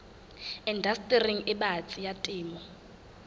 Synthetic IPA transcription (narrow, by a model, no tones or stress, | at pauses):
indʱastʼiriŋɪɓat͡sʼijatʼiːmɔ